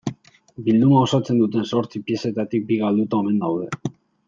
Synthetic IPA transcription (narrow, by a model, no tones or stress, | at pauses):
bild̪umao̞sat͡se̞nd̪ut̪e̞nso̞ɾt͡sipie̞se̞t̪at̪ik̚biɣald̪ut̪aome̞nd̪awðe̞̰